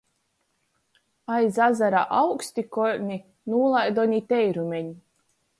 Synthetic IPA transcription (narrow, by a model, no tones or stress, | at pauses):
ajzazaɾa̰ʔawksʲt̪ikɔɾʲnʲi | nuːlˠajd̪ɔɲʲit̪ʲɛjɾumʲeɲi